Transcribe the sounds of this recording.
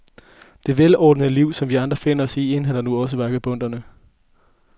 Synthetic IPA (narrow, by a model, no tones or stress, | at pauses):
d̥e̝ʋelɒ̰ːd̥n̩əliʊ̰sɒ̽mʋiɑ̈nd̥ʁɐfe̝n̰ɐɒ̽sie̝nɦænɐnuɒ̽s̬əʋɑɡ̥əb̥ɔ̽n̰d̥ɐnə